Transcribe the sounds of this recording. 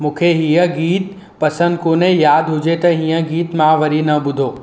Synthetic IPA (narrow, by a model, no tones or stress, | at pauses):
mũːkʰeɦiːə̃ɡiːt̪ | pɐsə̃nd̪koːnẽjaːd̪ʱɦʊd͡ʑet̪ɐɦijə̃ɡiːt̪mãʋɐɾinɐɓʊd̪ʱoː